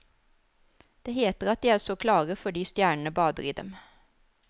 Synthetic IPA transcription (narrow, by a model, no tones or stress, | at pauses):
d̪̥eːheːt̪əʁɑt̪̚d̪iːæːʁsoːkʰlɑːʁəfɔɖiːst̪jæːɳəɳəbɑːd̪ə̰ɾiːd̪ɛ̰m